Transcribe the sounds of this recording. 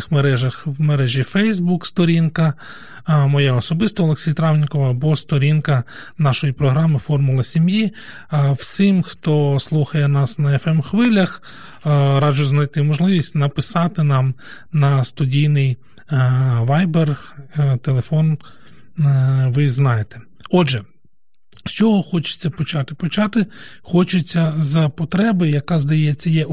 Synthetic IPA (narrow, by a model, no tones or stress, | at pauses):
xmeɾɛʒɐxʋmeɾɛʒʲifɛjzbukst̪ɔɾʲinkɐ | mɔjɛɔsɔbɪst̪ɔːlˠeksʲijɐt̪ɾɑwnʲikɔʋɐbɔst̪ɔɾʲinkɐ | nɑʃɔjipɾɔɦɾɑmɪfɔrmʊlˠɐsʲimji | wsʲɪmxt̪ɔslˠuxɐjɛnɑsnɐɛfɛmxʋɪlʲɐx | ɾɑd͡ʒʊznɐjt̪ɪmɔʒlˠɪʋʲisʲtʲnɐpɪsɑt̪ɪnɑm | nɐst̪ʊdʲijnɪj | ʋɑjbert̪elˠefɔn | ʋɪznɑjet̪e̥ | ɔdʒɛ | st͡ʃɔɦɔxɔt͡ʃɪ̥t͡sʲːɐpɔt͡ʃɑt̪ɪ̥pɔt͡ʃɑt̪ɪxɔt͡ʃɪt͡sʲːɐzɐpɔt̪ɾɛbɪjɐkɑzd̪ɐjɛt͡sʲːɐjɛ